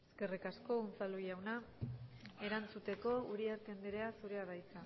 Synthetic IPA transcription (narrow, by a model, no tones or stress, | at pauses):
ske̞rikasko̞unt͡salujawna | e̞ɾant͡sut̪e̞ko̞uɾiaɾt̪end̪eɾeasuɾeaðajt͡sa